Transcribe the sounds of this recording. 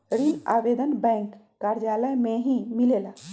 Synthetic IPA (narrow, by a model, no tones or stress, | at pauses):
ɾina̰ʋed̪ənbɛŋkːaɾd͡ʒaləmeɦĩmilela